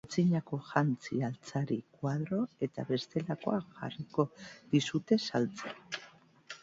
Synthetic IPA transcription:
t͡siɲako̞ʝant͡sialt͡saɾikwað̞ɾo̞e̞t̪aβe̞st̪e̞lako̞aʝa̰riko̞ðisut̪e̞salt͡se

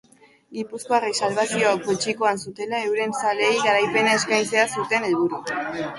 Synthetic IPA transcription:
ɡipusko̞arisalβasio̞akot͡ʃiko̞ansut̪e̞lae̞wɾe̞nsale̞jɣaɾajpe̞nae̞skajnt͡se̞asut̪e̞ne̞lβ̞uɾu

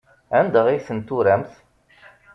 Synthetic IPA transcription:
ænd̪əʁiθənt̪uɾæmθ

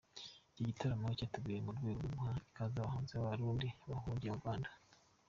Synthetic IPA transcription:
ciɟitʰaɾamocatuɡujemudɡwiːɡumhaikazaβahuːnzeaβaɾuːdiβahuɾɟeuɾɡwaːndḁ

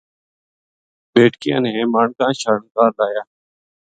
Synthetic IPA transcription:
beːʈkɪjã̰ːnẽːmaːɳkãːʃəɾənkaːɾlaːjaː

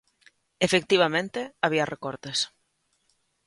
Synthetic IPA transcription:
efekt̪iβ̞amẽnt̪eaβ̞iarʔekɔɾt̪es

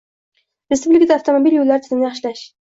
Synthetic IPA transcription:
ɾespublʲikad̪afwt̪ʰo̞mobiljolːaɾt̪ʰzɪmnɪjɑχʃɪlaʃ

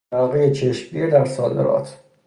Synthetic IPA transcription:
ɒːɣejet͡ʃʰeʃmɡiːɾd̪æɾsɒːd̪ḛɾɒ̰ːt̪ʰ

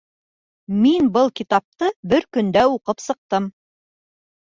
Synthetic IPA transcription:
minbɤlˠkʲit̪ɑp̚t̪ɤbɘɾkɵ̆nd̪æuqɤpsɤ̆q̚t̪ɤm

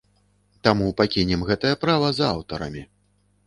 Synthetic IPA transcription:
t̪amupakʲinʲɛmɣɛt̪ɐjɐpɾavɐzawt̪ɐɾɐ̰mʲi

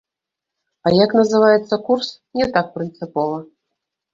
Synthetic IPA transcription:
ɐjaknɐzɨvajɛt̪sːɐkurs | nʲɛt̪ak̚pɾɨnt̪sɨpɔvɐ

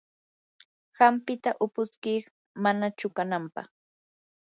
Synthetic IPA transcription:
ɢɑmpɪt̪aʔʊpʊskiχ | manat͡ʃʊkanampɑχ

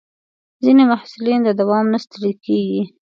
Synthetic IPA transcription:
zinemahsulind̪əd̪awɑmnast̪əɾid̪̚keɡi

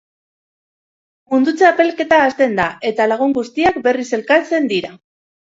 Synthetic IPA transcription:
mund̪ut͡seape̞lke̞t̪aːst̪e̞nd̪aʔe̞t̪alaɣ̞uŋɡust̪iakbe̞rise̞lkat͡se̞nd̪iɾa

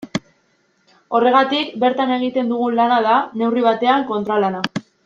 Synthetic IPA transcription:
o̞re̞ɣ̞at̪ikbe̞ɾt̪ane̞ɣ̞it̪e̞nd̪uɣ̞unlanað̞ane̞wriβ̞at̪e̞aŋko̞nt̪ɾalana

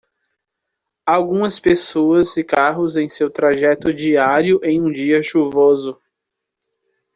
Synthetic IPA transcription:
awɡũmɐspesoɐzɪkaɦʊzẽj̃sewt̪ɾaʒɛt̪ʊd͡ʒiaɾjʊʔẽj̃ũd͡ʒiɐʃuvozʊ

